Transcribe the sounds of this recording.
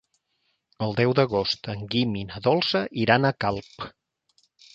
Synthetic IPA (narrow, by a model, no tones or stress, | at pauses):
əlˠd̪ɛwd̪əɣ̞ost̪əŋɡiminəðɔlˠsəʔiɾanəkalˠp